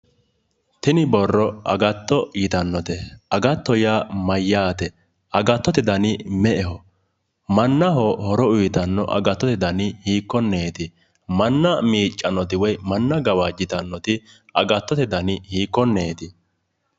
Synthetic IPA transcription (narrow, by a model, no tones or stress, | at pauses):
t̪ɪnɪbɔrːɔʔɐ̰ɡɐt̪ːɔjɪt̪ɐnːɔt̪ɛʔɐɡɐt̪ːɔjaːmɐjːaːt̪ɛ | ʔɐɡɐt̪ːɔt̪ɛd̪ɐnɪmɛʔɛhɔ | mɐnːɐɦɔhɔɾɔʊjɪt̪ɐnːɔ̰ʔɐ̰ɡɐt̪ːɔt̪ɛd̪ɐnɪhiːkːɔnːeːt̪ɪ | mɐnːɐmiːt͡ʃʼːɐnːɔt̪ɪwɔjmɐnːɐɡɐwad͡ʒɪt̪ɐnːɔt̪ɪ | ʔɐɡɐt̪ːɔt̪ɛd̪ɐnɪhiːkːɔnːeːt̪ɪ